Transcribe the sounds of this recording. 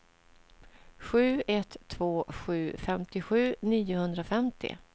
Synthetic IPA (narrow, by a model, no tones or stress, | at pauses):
ɧʉ̟ːɛt̪ʰːvoːɧʉ̟ːfɛmt̪ɪɧʉ̟ːniːʊhɵnd̪ɾaʊfɛmt̪ʰɪ̰